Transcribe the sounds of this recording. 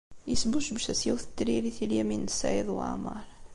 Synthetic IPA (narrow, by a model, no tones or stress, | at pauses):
jəsbuʃbəʃæsjæwθə̥t̪ːɾiɾiθiljæminəsːæ̰jəðˤwa̰ʕmɑ̰ɾˤ